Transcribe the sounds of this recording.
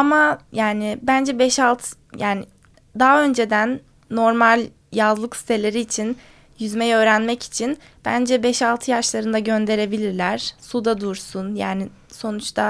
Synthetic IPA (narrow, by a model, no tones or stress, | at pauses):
amajaːnɪbænd͡ʒɛbɛʃalˠt̪ʰ | jaːnɪ | d̪aɦaø̞nd͡ʒe̞d̪ænː | o̞ɾmalʲ | jazlˠɯksi̥t̪ʰe̞lʲe̞ɾiːt͡ʃʰin | jyzmɛjø̞ːɾænmɛci̥t͡ʃʰin | b̥æ̰nd͡ʒɛbɛʃalˠt̪ʰɯjaʃlˠaɾɯnd̪aɟø̞nd̪e̞ɾe̞bilʲiɾlʲæɾ̥sud̪ad̪uɾsunjaːnɪ | so̞nut͡ʃt̪ʰa